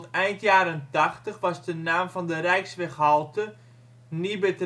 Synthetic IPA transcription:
tɛjntjaːɾəntaχtəχʋɑsdənaːmfɔndərɛjksʋɛχɦɔlˠtə | nibət

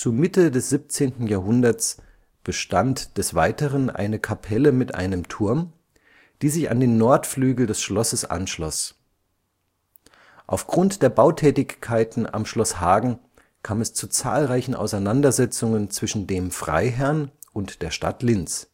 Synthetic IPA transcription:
t͡sumɪtədɛsz̥ip̚t͡seːntn̩jaːɐɦʊndɐt͡s | b̥əʃtantd̥ɛsv̥a̰ɪtəʁənʔa̰ɪnəkʰapʰɛləmɪtʔa̰ɪnəmtʰʊɐm | d̥iːzɪça̰ndeːnːɔɐtflyːɡl̩dɛsʃlɔsəsʔa̰nʃlɔ̰s | ʔaʊfɡ̥ʁʊntd̥eːɐbaʊtʰɛːtɪçkʰːaɪtn̩a̰mʃlɔshaːɡŋ̩ | kʰaːmɛst͡sut͡sa̰ːlʁaɪçn̩ʔa̰ʊsaɪnandɐzɛt͡sʊŋənt͡sv̥ɪʃn̩deːmfʁ̥a̰ɪɦɛɐnʔʊntd̥eːɐʃta̰tlɪnt͡s

